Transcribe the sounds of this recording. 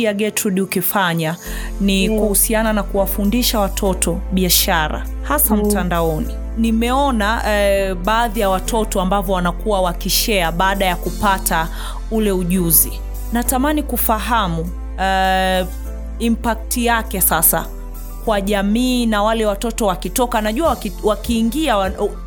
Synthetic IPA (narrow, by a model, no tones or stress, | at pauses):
aɠɛtʰuɗiukifaɲanikuhusiananakuwafundiʃawatʰɔtʰɔ | ɓiaʃaɾa̰ | hasam̩tandaɔni | nimɛɔna | ɓaːðijawatʰɔtɔambavɔwanakuwawakiʃɛaɓaːɗajakupatʰa | ulɛuʄuzi | natamanikufaɦamu | impak̚tijakɛsasa̰ | kwaʄamiːnawalɛwatɔtɔwakitɔkanaʄuawkiwakiːŋɡiaw